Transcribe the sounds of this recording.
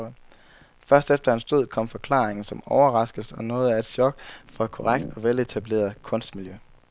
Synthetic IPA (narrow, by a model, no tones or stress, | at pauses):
fɶɐsd̥efd̥ɐhænsd̥oð̞̰ˠkʰɒ̽m̰fɒ̽kʰl̥ɑ̰̈ːeŋn̩sɒ̽mɒʊɐʁɑ̈sɡ̥l̩sɒnɔ̽ːð̞̩ˠæe̝d̥sɒ̽ɡ̥fɒ̽æ̥kʰɒʁäɡ̥̚d̥ɒ̽ʋele̝t͡sʰæb̥le̝̰ːɐð̩ˠkʰɔ̽n̰sd̥miljø